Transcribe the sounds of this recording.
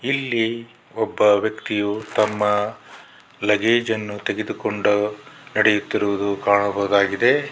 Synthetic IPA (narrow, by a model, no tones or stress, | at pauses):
ilːi | ɔbːɐʋjɐkt̪ijut̪ɐmːɐ | lɐɡeːd͡ʒɐnːut̪eɡe̞d̪ukoɳɖunɐɽejut̪ːiɾuʋud̪ukaːɳɐbɐɦud̪aːɡid̪e̞